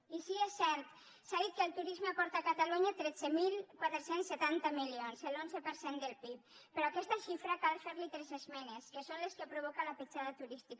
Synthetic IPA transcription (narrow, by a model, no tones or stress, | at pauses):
isiesːɛɾt̪ | saðit̪̚kəlˠt̪uɾizmeapɔɾt̪akat̪aluɲat̪ɾɛt͡semilˠkwat̪ɾesensːet̪ant̪amilionzelonzepəɾsend̪elˠpip̚ | peɾɔakɛst̪aʃifɾakalfeɾlit̪ɾɛzezmɛneskesonleskepɾuβ̞ɔkalapit͡ʃaðat̪uɾist̪ik